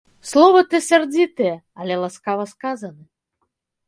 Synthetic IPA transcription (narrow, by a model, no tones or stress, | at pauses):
slˠɔvɐt̪ɛsʲard͡zʲit̪ɨjɛ | ɐlʲɛlˠaskavɐskazɐnɨ